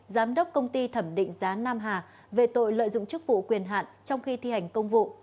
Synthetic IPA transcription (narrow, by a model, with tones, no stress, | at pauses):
zaː˨˦mɗə˦˥wk͡p̚kə˧wŋ͡mt̪i˧t̪ʰə˧˩mɗḭ̈˧˨ŋ̟zaː˨˦naː˧mɦaː˨˩ | ve˨˩t̪o̰˧˨jlə̰ː˧˨jzʊ̰˧˨ŋ͡mt͡ɕɨ˦˥k̚vṵ˧˨kwi˨˩ənɦa̰ː˧˨nt͡ɕɔ˧wŋ͡mxi˧t̪ʰi˧ha˨˩jŋ̟kə˧wŋ͡mvṵ˧˨